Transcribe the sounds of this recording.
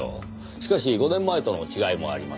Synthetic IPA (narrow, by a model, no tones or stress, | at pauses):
o̰ | ɕi̥kaɕiɡo̞nẽ̞mːae̞t̪o̞no̞̰t͡ɕiɡaimo̞a̰ɾʲima̰